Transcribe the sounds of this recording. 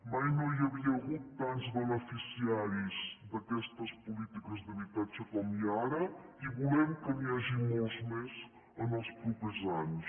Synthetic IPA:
majnojəβiəːɣut̪ːanzβənəfisiaɾizd̪əkɛst̪əspulit̪ikəzðəβit̪at͡ʃəkɔmiaɾəiβulɛmkəniaʒimolˠzmez | ənəlˠspɾupəzanus

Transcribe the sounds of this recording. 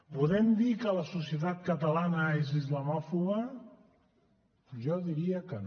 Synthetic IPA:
puðɛmd̪ikələsusiət̪at̪̚kət̪əlanəezizləmɔfuɣə | ʒɔðiɾiəkən

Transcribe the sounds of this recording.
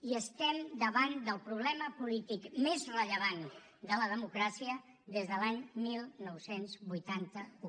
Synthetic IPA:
iəst̪ɛmd̪əβand̪əlˠpɾuβlɛməpulit̪ikmezrəʎəβ̞an | d̪ələðəmukɾasiə | ðezðəlaɲmilˠnɔwsenzβujt̪ant̪əu

